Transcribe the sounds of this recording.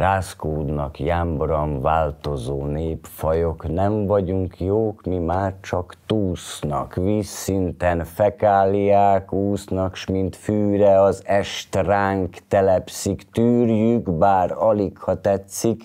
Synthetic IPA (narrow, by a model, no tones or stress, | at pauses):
raːskoːd̪nɒkjaːmbrɒmvaːlt̪o̞zoːneːpfɒjoknɛɱvɒɟuŋkjoːkmimaːrt͡ʃɒkt̪uːsnɒ̰kʋiːsːint̪ɛnfɛkaːlijaːkuːsnɒkʃmint̪fyːɾɛɒzɛʃt̪raːŋkt̪ɛlɛpsikt̪yːrjyɡbaːɾɒlikhɒt̪ɛt̪sik